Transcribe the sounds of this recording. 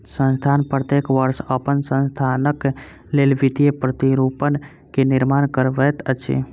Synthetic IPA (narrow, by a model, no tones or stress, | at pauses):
sə̃nst̪ʰanpɾət̪ekʋəɾsəpənsə̃nst̪ʰanək | lelʋid̪ijepɾət̪iɾupən | keniɾmankəɾʋɛt̪ət͡ʃʰḭ